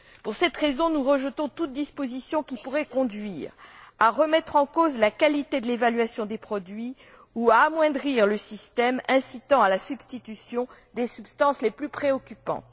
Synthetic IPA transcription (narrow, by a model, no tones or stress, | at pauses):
puʁsɛt̪ʁezɔ̃nuʁəʒət̪ɔ̃t̪ut̪̚d̪ispozisjɔ̃kʲipuʁɛkɔ̃d̪ɥiːʁaʁəmɛt̪χɑ̃kozlakalit̪ed̪əlevalɥasjɔ̃d̪epχɔd̪ɥi | uaːmwɛ̃d̪ʁiʁləsist̪ɛmɛ̃sit̪ɑ̃alasybst̪it̪ysjɔ̃d̪esybst̪ɑ̃sleplypχeɔkʲypɑ̰̃